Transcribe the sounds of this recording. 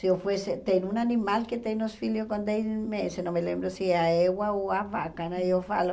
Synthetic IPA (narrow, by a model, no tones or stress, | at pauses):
siofweset̪enunanimalket̪enosfiljokond̪ejsmesenomelembɾosiaewaoaβakanajofa̰lo